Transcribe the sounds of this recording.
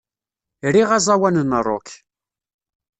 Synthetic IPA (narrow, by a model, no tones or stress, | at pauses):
ɾiʁazˤɑwænənːərˤo̰k